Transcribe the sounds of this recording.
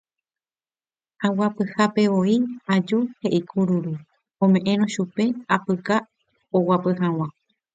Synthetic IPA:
awapɨhape̞ʋo̞iad͡ʒuhe̞ʔikʰuɾuɾu | õ̞mẽ̞ʔẽ̞ɾõʃupe̞apɨka | owapɨɦaw̃ã

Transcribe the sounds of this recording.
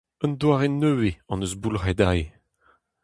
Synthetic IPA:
ənd̪waːʁenøweɑ̃nəzbulʁɛd̪aj

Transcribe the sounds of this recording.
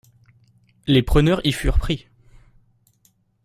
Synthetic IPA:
lepχənœʁifyʁpχi

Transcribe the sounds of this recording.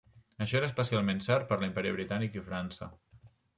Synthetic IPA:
əʃɔeɾəspəsialˠmensɛɾt̪̚pəɾləimpɛɾiəβ̞ɾit̪anikifɾansə̰

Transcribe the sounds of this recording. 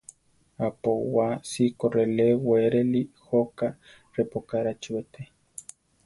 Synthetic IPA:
apowasikoreleweɾelihoka | repokaɾat͡ʃuet̪e

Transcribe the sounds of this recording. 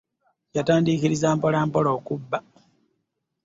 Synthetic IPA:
cataːndikiɾizaːmpolaːmpoloːkubːa

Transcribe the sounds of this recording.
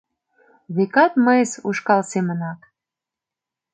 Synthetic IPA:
βekɑt̪məjəsuʃkɑlsemənɑk

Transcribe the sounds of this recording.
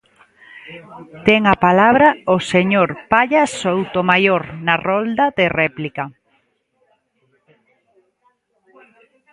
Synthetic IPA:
t̪ɛŋapalaβɾaoseɲoɾpaʎasowt̪omajoɾnarɔld̪ɐðerɛplika

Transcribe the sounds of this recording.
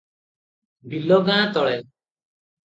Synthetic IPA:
bilɔɡãːt̪ɔɭɛ

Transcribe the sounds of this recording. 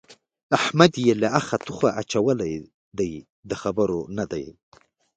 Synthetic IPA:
ahmad̪jelaaxat̪uxaʔat͡ʃawəlaj | d̪aj | d̪əxabəɾonad̪aj

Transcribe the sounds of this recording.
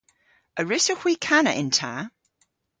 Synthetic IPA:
əɹɪsəxwiːkʰanəʔɪ̃ntʰaː

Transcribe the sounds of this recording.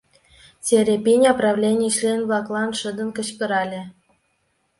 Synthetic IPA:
tʲeɾʲepʲinʲɑprɑvlʲenʲiɕlʲenvlˠɑklˠɑnʃə̆d̪ə̆nkə̆t͡ɕpɤ̆ɾɑlʲĕ

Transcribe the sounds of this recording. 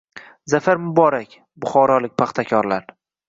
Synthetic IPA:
zafaɾmʊbɒɾakʲ | bʊχɒɾɒlɪk̚ʲpʰaχt̪ʰakʲʰɒɾlaɾ

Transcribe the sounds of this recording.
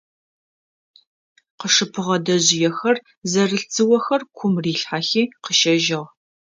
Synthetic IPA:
qəʂɨpʰɨʁɐdɐʑɪjɛxɐr | zɐrɨɬt͡sʰʼɨwɐxɐrkʷʰʊmriːɬħaxiːqəʃɐʒɪʁ

